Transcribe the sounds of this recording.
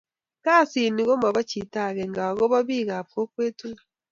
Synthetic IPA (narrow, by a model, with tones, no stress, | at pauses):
ka˦˨si˨ni˨ɣo˦ma˨βa˦t͡ʃi˨ta˦˨ɣɛ˨ŋɡa˨ɣo˦βa˦βi˦˨ɣa˨po˦kwe˦tu˦